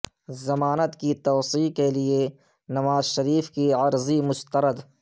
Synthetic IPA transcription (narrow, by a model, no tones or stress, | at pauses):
zɐmaːnət̪kit̪oːsiːkelie | nɐʋaːzʃɐɾiːfkiɐɾzimʊst̪əɾəd̪